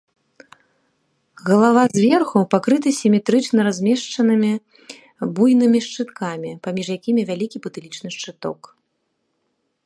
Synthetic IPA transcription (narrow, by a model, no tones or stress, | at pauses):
ɣɐlˠavazʲvʲɛrxupakɾɨt̪ɐsʲimʲɛt̪ɾɨt͡ʂnɐɾazʲmʲɛʂt͡ʂɐnɨmʲi | bujnɨmʲiʂt͡ʂɨt̪kamʲipamʲiʐjakʲimʲivʲalʲikʲipɨt̪ɨlʲit͡ʂnɨʂt͡ʂɨt̪ɔ̰k